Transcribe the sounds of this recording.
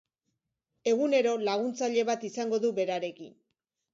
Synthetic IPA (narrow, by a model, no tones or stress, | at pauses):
e̞ɣune̞ɾo̞laɣ̞unt͡saʎe̞βat̪isaŋɡo̞ðuβe̞ɾaɾe̞kḭn